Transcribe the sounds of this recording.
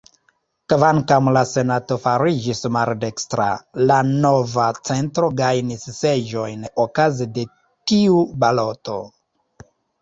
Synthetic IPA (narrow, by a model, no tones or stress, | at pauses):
kvaŋkamlase̞nato̞faɾid͡ʒismalde̞kstɾa̰lano̞vat͡se̞ntɾo̞ɡajnisːed͡ʒo̞jnokazede̞ | tiubalo̞to̞̰